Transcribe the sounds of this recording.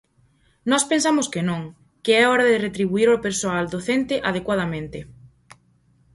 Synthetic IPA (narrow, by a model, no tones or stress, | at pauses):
nɔspensamʊskɪnõŋ | kɪɛɔɾaðɪret̪ɾiβuiɾopeɾsoald̪oθent̪ɪʔað̞ekwað̞amẽnt̪ɪ